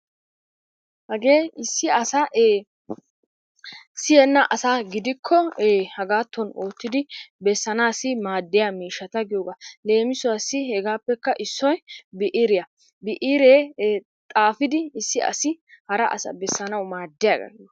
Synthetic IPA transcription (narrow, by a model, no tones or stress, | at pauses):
hɐɡeːɪsːɪɐsɐʔe | sɪjɛnːɐʔɐsaːɡɪd̪ɪkʰːɔhɐɡaːt̪ːɔnoːt̪ːɪd̪ɪbɛsːɐnaːsːɪmaːd̪ːɪjamiːʃːɐt̪ɐɡɪjoːɡale̞ːmɪsʊwɐsːɪhɛɡaːpːɛkːɐʔɪsːɔjbɪʔiɾɪjɐ | bɪʔiːɾeː | t̪ʼaːfɪd̪ɪːsːɪɐ̰sɪhɐɾɐ̰ʔɐ̰sɐ̰bɛsːɐnɐwmaːd̪ːɪjaːɡɐ̰ɡɪd̪